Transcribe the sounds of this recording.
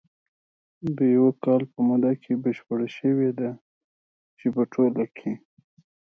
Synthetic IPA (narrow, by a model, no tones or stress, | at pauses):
d̪əjawakɑlpəmud̪akʰebəʃpəɽaʃəwed̪a | t͡ʃepəʈʰolakʰe